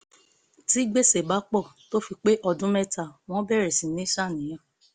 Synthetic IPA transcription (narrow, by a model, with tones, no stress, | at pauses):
ti˦ɡ͡be˦˨se˨ba˨˦k͡pɔ˦˨to˦fi˧k͡pe˦ʔɔ˧dũ˦mɛ˦ta˨w̃ɔ̃˦bɛ˦˨ɾɛ˨sĩ˨˦nĩ˦ʃa˦˨nĩ˨j̃ã˨˦˨